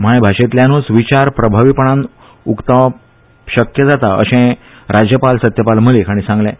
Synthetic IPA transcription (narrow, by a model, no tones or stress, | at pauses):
m̤ajbʱaɕet̪ljãnũsʋit͡ɕaɾpɾəbʱaʋipəɳãn | ukt̪a | ɕəkjəd͡zat̪aə̰ɕẽ | ɾad͡ʑjəpalsət̪jəpalməlekaɽ̃ĩsãŋɡlɛ̃